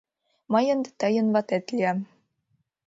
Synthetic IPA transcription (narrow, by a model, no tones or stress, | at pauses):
mɑjɤ̆nd̪ɘ̆t̪ɑjɤ̆nβɑt̪æt̪lʲiæm